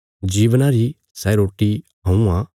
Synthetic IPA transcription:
d͡ʒiːʋnãɾi | sɛɾoːʈːiɦɐ̃ũã

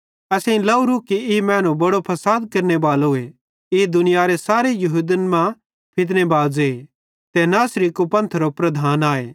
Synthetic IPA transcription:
ɐsẽĩlɐuɾukiɪmɛ̃ːnũbɐɽopʰɐsaːd̪kɐɾnebaːlɦʊe | ɪd̪ʊnɪjaɾesaːɾejɐɦud̪ənmã | pʰɪt̪̬nebaːd͡ʒe | t̪ɛnaːsɾikupɐ̃nt̪ʰɾopɾɐd̪ʱaːnaːeː

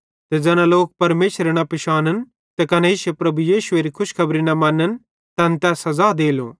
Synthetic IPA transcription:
t̪ed͡ʒɛːnãloːk̚pɐɾmeːʃɾeɽ̃apɪʃaːnən | t̪ekɐnɛiːʃepɾɐbujiːʃʊeːɾikʰʊʃkʰɐbɾinɐmɐ̃nən | t̪ɐ̃nt̪ɛːsɐzaːd̪eːlõ̰ː

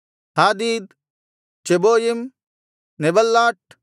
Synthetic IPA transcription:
haːd̪iːd̪ | t͡ʃeboːjim | nebɐlːaːʈ̚

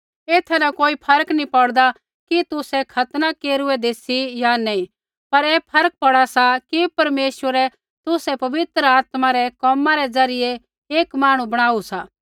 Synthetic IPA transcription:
eːt̪ʰanɐkoːipʰɐɾəknĩpɐɽd̪a | kit̪ʊsɛkʰɐt̪nakeːɾʊɛd̪eːsijanɛĩ | pɐɾɛːpʰɐɾək̚pɐɽasakipɐɾmeːʃəɾɛ | t̪ʊsɛpɐʋɪt̪ɾəaːt̪maɾɛkɔːmãɾɛd͡zɐɾɪje | eːkmaːɽ̃ubɐɽ̃aːusaː

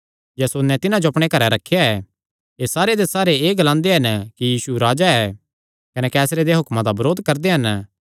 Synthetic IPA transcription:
jɛsonːɛ̃t̪ɪnãd͡ʒoɐpɽ̃ekɐɾɛɾɐkʰːjaɛ | eːsaːɾed̪esaːɾeeːɡɐlãːnd̪eɦɐnkijiːsuɾaːd͡ʒaɛ | kɐnɛkɛːsɾed̪eɦʊkmãd̪abɐɾoːd̪kɐɾd̪eɦɐn

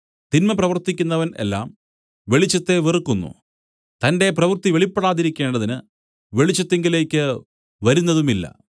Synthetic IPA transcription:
t̪inmɐprɐʋɐrt̪ːikʲːunːɐʋɐne̞̰lːa̰ːm | ʋe̞ɭit͡ɕːɐt̪ːe̞ʋirɨkːunːṵ | t̪ɐnde̞prɐʋɐrt̪iʋeɭipːeɽaːðiɾikʲːe̞ːɳɖɐðinɨ | ʋe̞ɭit͡ɕːɐt̪ːeŋɡile̞ːkʲːɨ | ʋɐɾunːɐðumilːɐ̰

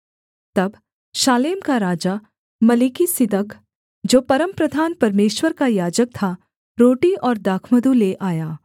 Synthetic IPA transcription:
t̪ɐb | ʃaːleːmkaɾaːd͡ʒa | mɐlikisɪd̪ək | d͡ʒoːpɐɾəmpɾəd̪ʱaːnpɐɾmeːʃwəɾkajaːd͡ʒək̚t̪ʰa | ɾoːʈiɔːɾd̪aːkʰməd̪uleʔaːjaː

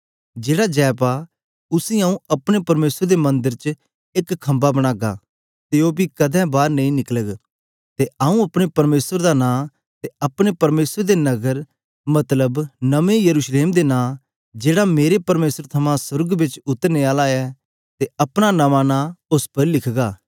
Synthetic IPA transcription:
d͡ʒeːɽad͡ʒɛːpa | ʊsĩaːũɐpɽ̃epɐɾmeːsəɾd̪emɐ̃nd̪əɾt͡ʃ | ɪkkʰːɐ̃mbabɐɽ̃aːɡa̰ | t̪eobikɐd̪ʱɛ̃baːɾnɐ̃ĩnɪkləɡ | t̪eaːũɐpɽ̃epɐɾmeːsəɾd̪anãː | t̪eɐpɽ̃epɐɾmeːsəd̪enɐɡəɾ | mɐt̪ləbnɐʋẽjɐɾuːʃleːmd̪enãː | d͡ʒeːɽameːɾepɐɾmeːsəɾt̪ʰɐmãsʊɾɡbɪt͡ʃʊt̪ːəɾneaːlaɛ | t̪eɐpɽ̃anɐʋãnãʊspəɾlɪkʰɡaː

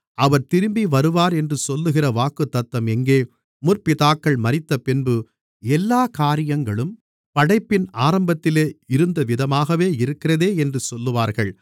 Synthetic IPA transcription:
ɐʋɐɾt̪ɪɾɯmbiʋɐɾɯʋaːɾɛndrɯsɔlːɯɣɪrɐʋaːkɯt̪ːɐt̪ːɐmɛŋɡeː | mʊrpɪðaːkːɐɭmɐɾɪt̪ːɐpɪnbɯ | ɛlːaːkaːɾɪjɐŋɡɐɭɯm | pɐɽɐɪpːɪnaːɾɐmbɐt̪ːɪleːɪɾɯnd̪ɐʋɪðɐmaːɣɐʋeːɪɾɯkːɪrɐðeːɛndrɯsɔlːɯʋaːɾɣɐɭ

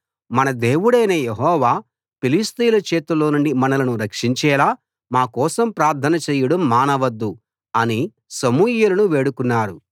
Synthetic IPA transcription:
mɐnɐd̪eːwuɽɐjnɐjeɦɔːʋaː | pilist̪ijlɐt͡ʃeːt̪ulo̞ːnuɳɖimɐnɐlɐnuɾɐkʂiɲt͡ʃɛːlaː | maːkɔːsɐmpɾaːɾt̪ʰɐnɐt͡ʃeːjiɽɐmːaːnɐʋɐd̪ːu | ɐni | sɐmuːjulɐnuʋe̞ːɽukunːaːɾu

